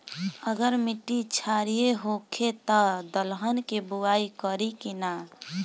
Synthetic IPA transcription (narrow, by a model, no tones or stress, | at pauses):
əɡəɾmiʈːit͡ʃʰaɾijeɦokʰet̪ɔd̪əlɦənkebuwaikəɾikina